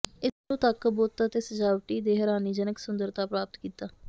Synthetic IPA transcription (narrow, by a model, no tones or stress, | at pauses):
ɪsnõːt̪əkboːt̪aːt̪eːsəd͡ʒaːʋəʈiːd̪eːɦəɾaːniːd͡ʒənəksʊnd̪əɾt̪aːpɾaːpət̪kiːt̪aː